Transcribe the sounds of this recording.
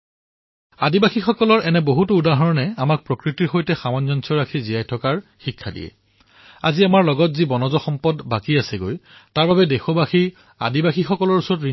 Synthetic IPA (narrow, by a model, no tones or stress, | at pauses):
adibaxixɔkɔlɔɹɛnɛboɦutʊudaɦɔɹɔnɛamak̚pɹokɹitiɹxojtɛxamɔnzɔnsɔɹakʰizijajtʰɔkaɹxikʰːadḭjɛ̰ | aziamaɹlɔɡɔtzibɔnɔzɔxɔmpɔdbakiasɛɡojtaɹbabɛdexɔbaxi | a̰dibaxixɔkɔlɔɹusɔɹɔtɹi